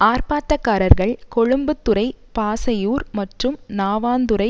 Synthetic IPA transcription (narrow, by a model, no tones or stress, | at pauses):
aːɾpaːʈːɐkːaːɾɐɾɣɐɭkɔɻʊmbɯt̪ːʊɾɐɪpaːsɐjuːɾmɐʈrɯmnaːʋaːnd̪ɯɾɐɪ